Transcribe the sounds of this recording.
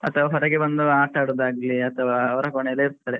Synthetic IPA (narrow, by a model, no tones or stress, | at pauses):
ɐt̪ɐʋɐɦɐɾɐɡebɐnd̪uaːʈɐɽud̪aːɡiliɐt̪ɐʋɐːʋɐɾɐkɔɳejileiɾt̪ːɐɽe